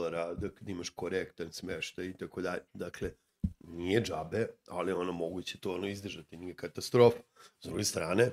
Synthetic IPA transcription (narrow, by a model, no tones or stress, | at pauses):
laɾad̪akad̪imaʃkoɾekt̪ansmeʃt̪ajit̪akod̪aʎed̪akle | nijed͡ʒabe̞a̰lio̞nomo̞ɡut͡ɕet̪o̞onoizd̪rʒat̪inije̞kat̪ast̪ɾo̞ːfḁzd̪ɾuɡe̞st̪ɾaːne̞